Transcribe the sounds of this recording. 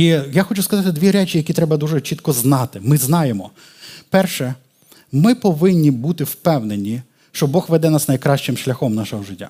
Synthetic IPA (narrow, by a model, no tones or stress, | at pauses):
ijaxɔt͡ʃʊskɐzɑt̪ɪd̪ʋʲiɾɛt͡ʃʲijɐkʲit̪ɾɛbɐd̪uʒɛt͡ʃit̪kɔznɑt̪ɪmɪznɑjemɔ | pɛrʃɛ | mɪpɔʋɪnʲːibut̪ɪwpɛwnenʲːi | ʃt͡ʃɔbɔxʋɛd̪ɛnɑsnɐjkɾɑʃʲt͡ʃɪmʃlʲɐxɔmnɑʃɔɦɔʒɪtʲːa̰